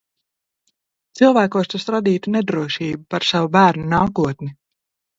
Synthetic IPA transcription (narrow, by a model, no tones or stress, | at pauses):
t̪silˠvæːkuɔst̪usɾad̪iːt̪uned̪ɾuɔʃiːbupaɾsavubæːɾnunaːkuɔt̪ni